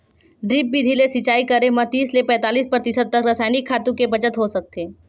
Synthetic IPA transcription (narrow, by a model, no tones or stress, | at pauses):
ɖɾiːp̚bid̪ʱilesɪt͡ʃaːikɐɾẽmɐt̪iːslepɛ̃ːt̪aːliːspɾət̪ɪsəd̪̚t̪ːɐkɾɐsaːɪnikʰːaːt̪ũkebɐt͡ʃət̪ɦosɐk̚t̪eː